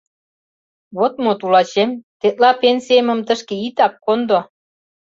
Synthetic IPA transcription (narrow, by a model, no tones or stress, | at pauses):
βot̪̚mot̪ulɑt͡ɕemt̪et̪̚lɑpensiemə̆mt̪ə̆ʃkĕit̪ɑp̚kond̪o